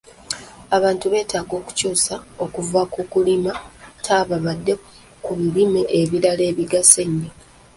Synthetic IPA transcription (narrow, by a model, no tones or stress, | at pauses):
aβaːntuβe̞ːtaːɡo̞ːku̥cuːsao̞kuvakukulimatʰaːβaβadːe̞ | kuβilimeʔeβiɾale̞ːβiɡaseɲːe